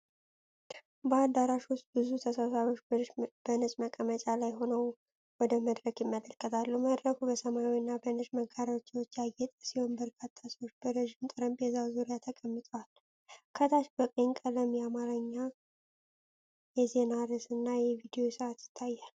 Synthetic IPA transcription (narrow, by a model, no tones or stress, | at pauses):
bəad̪aɾaʃwʊst̪̚bɨzut̪ʰəsasaɾo̞t͡ʃːb̥ənɨsʼməkʼːəmət͡ʃʼalajho̞nəw | wɔd̪əməd̪ɾəkjɪmːələlkʰʼːət̪ʰalːuməd̪ɾəkʰubəsəmawinːabənɨʃməɡʰaɾat͡ʃːwot͡ʃːjajːɛt̪ʼəsiho̞nbəɾkʰat̪ʰːaswot͡ʃːbəɾəʒimt̪ʼɨɾəmbjɛzawzuɾijat̪ʰəkʼəmːɨt̪ʰʼəwal | kʰət̪ʰaʃbəkʼeŋkʼələmjɛamaɾəɲːa | jɛze̞naɾɨsɨnːajɛvid̪ijo̞səat̪jɪ̥t̪ʰːajːal